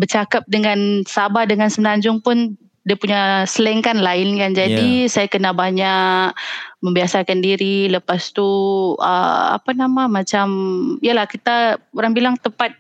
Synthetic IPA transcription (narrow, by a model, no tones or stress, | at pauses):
bərt͡ʃakap̚dəŋansabadəŋansəmnaɲd͡ʒʊŋpʊn | diapuɲasələŋkanlaɪnkand͡ʒadisajakənabaɲakməmbiasakandiɾiləpast̪uə̰a̰panamamat͡ʃamijalahkit̪aoɾaŋbilaŋt̪əpat̪̚